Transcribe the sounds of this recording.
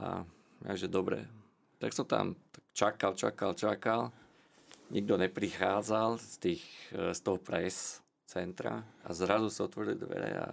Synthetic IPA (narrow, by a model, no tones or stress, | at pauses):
ʔa̰ | aʒɛd̪ɔbɾɛ̰ | t̪aksɔmt̪a̰mt̪ak̚t͡ʃakalt͡ʃa̰kalt͡ʃakal | ɲiɡ̚d̪ɔɲɛpɾixaːd͡zalst̪iːxst̪ɔɦɔpɾɛs | t͡sɛnt̪ɾa̰azɾazusaɔt̪ʋɔɾilid̪ʋɛ̰ɾɛ̰a̰